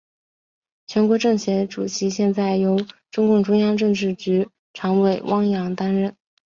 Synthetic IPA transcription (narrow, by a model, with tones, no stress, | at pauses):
t͡ɕʰɥɛ˧˥nkwɔ˧˥ʈ͡ʂɤ˥˩ŋɕjɛ˧˥ʈ͡ʂṵ˨˩t͡ɕʰi˧˥ɕjɛ˥˧nt͡sa˥˩ɪjo˧˥ʊʈ͡ʂʊ˥ŋkʊ˥˩ŋʈ͡ʂʊ˥ŋjɑ˥ŋʈ͡ʂɤ˥˧ŋʈ͡ʂɻ̩˥˩t͡ɕy˧˥ | ʈ͡ʂʰɑ˧˥ŋwe˨˩ɪwʔɑ˥ŋjɑ˧˥ŋt̪a˥nɻə˥˩n